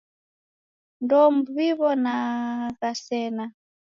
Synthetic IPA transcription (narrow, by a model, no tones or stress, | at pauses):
ndɔmbuβiβɔnaɣasɛna